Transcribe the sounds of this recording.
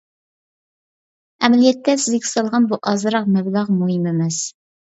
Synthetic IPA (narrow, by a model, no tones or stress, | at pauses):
æmælijɛt̪ːɛsɪzɡʲɪ̥sɑlˠʁɑnbuʔɑzɾɑq̚mæblɑʁmuɦimɪmɛs